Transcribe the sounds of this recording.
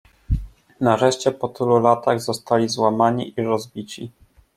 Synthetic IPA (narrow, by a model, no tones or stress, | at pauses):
naɾɛʂt͡ɕɛpɔt̪ɘlulat̪aɣzɔst̪alʲizwamaɲiʔiɾɔzbʲit͡ɕi